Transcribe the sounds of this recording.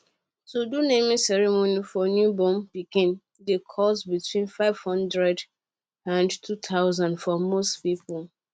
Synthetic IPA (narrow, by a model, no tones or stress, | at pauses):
todunẽmĩsɛɹɛmonifɔnjubɔ̃mpikĩn | dekʰɔsbitʰwĩnfaɪv̥hɔ̃ndɹɛd | ãndtʰutʰaʊzãndfɔmostpipul